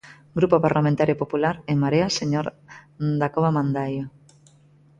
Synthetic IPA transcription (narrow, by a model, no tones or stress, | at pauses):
ɡɾupopaɾlamẽnt̪aɾjopopulaɾemaɾeaseɲoɾd̪akoβamãnd̪ajo